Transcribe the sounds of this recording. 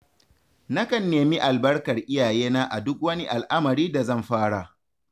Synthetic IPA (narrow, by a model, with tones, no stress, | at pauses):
na˦kɐ˨nːeː˨mi˦ʔa˨lbɐ˦rkɐ˨rʔɪ˦jaː˨jeː˦naː˦ʔa˨dʊ˦k̚wɐ˦ni˦ʔa˨lʔa˦mɐ˨ɾiː˦da˨zɐ˦˨mɸaː˦ɽa˨